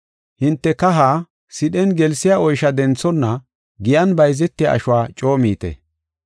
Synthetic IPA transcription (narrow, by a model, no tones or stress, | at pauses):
hɪnt̪ːɛkɐɦaː | sɪɗɛnɡɛlsɪjaːɔjʃɐd̪ɛnt͡sːɔnːɐ | ɡɪjɐnbɐjzɛt̪ːɪja̰ːʃʊwaːt͡ʃʼo̞ːmiːt̪ɛ̰